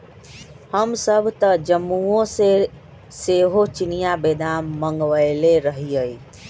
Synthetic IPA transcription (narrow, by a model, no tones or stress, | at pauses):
həmsəbʱt̪əd͡ʒəmːuõse | seɦot͡ʃinijabed̪anməŋɡʋəɪleɾəɦiəj